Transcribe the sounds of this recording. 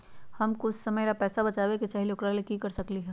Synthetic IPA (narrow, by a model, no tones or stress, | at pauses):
hɐmkʊʊt͡ʃʰsɐməjlapɛːsabɐt͡ʃaːʋeket͡ʃaːɦiloːkɾalekikɐɾsɐkliɦɛː